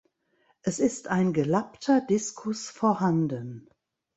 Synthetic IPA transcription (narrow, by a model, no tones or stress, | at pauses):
ʔɛsɪstaɪnɡəlaptʰɐdɪskʰʊsfɔːɐɦandən